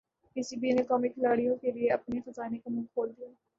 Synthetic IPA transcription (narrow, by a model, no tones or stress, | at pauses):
kɪsiːbiːneːkɔːmikʰɪlaːɽijõkeːlɪeːəpneːxəzaːneːkomʊ̃ŋkkʰoːld̪ijaː